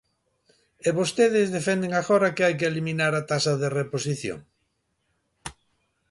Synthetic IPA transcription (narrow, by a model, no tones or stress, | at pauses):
eβost̪eð̞ɪzðefɛnd̪eŋaɣoɾakeajk̬ɪeliminaɾat̪asɐðereposiθjo̰ŋ